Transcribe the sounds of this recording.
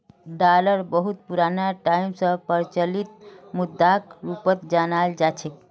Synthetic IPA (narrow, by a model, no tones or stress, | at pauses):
ɖaləɾbəɦut̪̚puɾanaʈaimsə̃pəɾt͡ʃəlit̪̚mud̪ʱːakɾupət̪d͡ʒanald͡ʒat͡ʃʰe